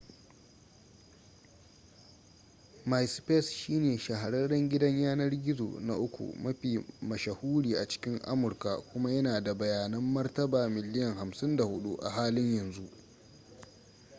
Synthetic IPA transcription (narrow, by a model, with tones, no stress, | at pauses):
ma˨jspɛ˦sʃiː˦neː˨ʃɐ˨ɦa˨ɽɐ˦ɽɐ˦ŋɡʲɪ˦dɐ˦ɲjaː˦nɐ˦rɡʲɪ˦zo̰˨na̰˨ʔʊ˦kʷṵ˨mɐ˦ɸiː˨mɐ˨ʃɐ˨huː˦ɾiː˨ʔa˨t͡ʃɪ̥˦kʲɪ˦ŋʔa̰˦mʊ˨rka˨kʷʊ˦ma˦jɐ˦naː˨da˨bɐ˨jaː˨nɐ˦mːɐ˦rtɐ˦baː˨mɪ˨lɪ˦jɐ˨ŋɦa˨msɪ˦nda˨hʊ˦ɗu˦ʔa̰˨ɦaː˦lɪ˦ɲjɐ˨nzu˦ʔ